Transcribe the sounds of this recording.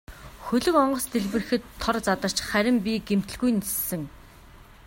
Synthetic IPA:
xɵɮɵ̆kɔɴɢɞ̆st̪ʰeɮpɘ̆rɘ̆xɘ̆t̪ʰːɔrt͡sat̪ə̆r̥t͡ɕχæɾʲɪ̆mpʲiɡem̥t̪ɘ̆ɮɣujnesːɘ̆ŋ

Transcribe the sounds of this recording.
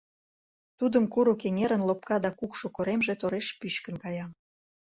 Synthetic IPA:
t̪ud̪əmkuɾokeŋeɾənlop̚kɑd̪ɑkukʃokoɾemʒet̪oɾeʃpyʃkə̆nkɑjɑm

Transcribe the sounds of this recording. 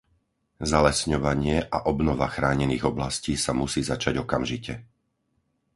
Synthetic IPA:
zalɛsɲɔʋaɲɪɛʔaʔɔbnɔʋaxɾaːɲɛniːɣɔblasciːsamusiːzat͡ʃaɟɔkamʒicɛ

